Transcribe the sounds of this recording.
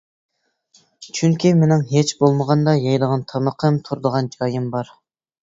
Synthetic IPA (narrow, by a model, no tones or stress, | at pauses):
t͡ʃʰyŋkʲimenɪŋɦet͡ʃbolˠməʁɑnd̪ɑjɑjd̪əʁɑnt̪ʰɑməqʰəmt̪ʰuɾd̪əʁɑnd͡ʒɑjɨmbɑɾ